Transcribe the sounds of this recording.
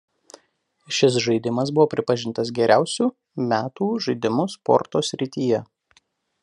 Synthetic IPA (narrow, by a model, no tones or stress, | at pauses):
ʃʲɪs̬ʒɐɪd̪ʲɪmɐs̬bʊʋoːpʲɾʲɪpɐʒʲɪnt̪ɐs̬ɡʲɛɾʲʔæˑʊsʲuː | mʲæːt̪uːʒɐɪd̪ʲɪmʊspɔ̰ɾt̪oːsʲɾʲɪt̪ʲiːjɛ